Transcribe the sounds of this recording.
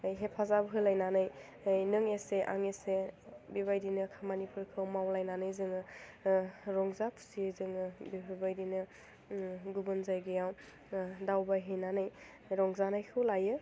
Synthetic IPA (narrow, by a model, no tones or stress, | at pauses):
jɦepʰazabɦɯlajnanaj | jnɯŋeseʔa̰ŋesebiβajdinɯkʰamanipʰuɾkʰɯwmawlajnanɯjzɯŋɯ | ɾɔŋzapʰu̥sizɯŋɯbibibajdinɯ | ɡubɯnzajɡɯjaw | dawbajɦejnanɯj | ɾɔŋzanajkʰɯwlajɯ